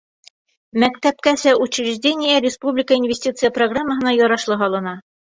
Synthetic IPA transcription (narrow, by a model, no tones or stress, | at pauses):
mækt̪æp̚kæsæut͡ɕɾɘʒʲdʲenʲɪjəɾʲɪspublʲɪkəinvʲɪsʲtʲit̪sɨjəproɡramːəɦɤ̆nɑjɒɾɑʃlˠɤɦɒlˠɤ̆nɑ